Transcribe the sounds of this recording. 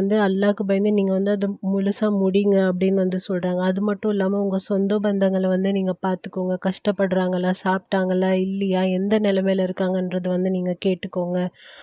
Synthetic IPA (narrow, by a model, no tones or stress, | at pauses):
nd̪ɯɐlːaːkːɯbɐjnd̪ɯniːŋɡɐʋɐnd̪ɯɐðɯmʊɻʊsaːmʊɽɪŋɡɐːp̬ːɐɽɪnːɯʋɐnd̪ɯsɔlɾaːŋɡɐːðɯmɐʈːʊ̃ɪlːaːmɐʊŋɡɐsɔnd̪oːbɐnd̪ɐŋɡɐɭʋɐnd̪ɯniːŋɡɐpaːɾt̪ɯkːoːŋɡɐkɐʂʈɐpːɐɽɯɾaːŋɡɐlaːsaːp̚ʈaːŋɡɐlaːɪlːɐjaːɛnd̪ɐnɛlɐmeːlɐɪɾɯkːaːŋɡɐɛnrɐðɯʋɐnd̪ɯniːŋɡɐkeːʈːɯkːoːŋɡɐ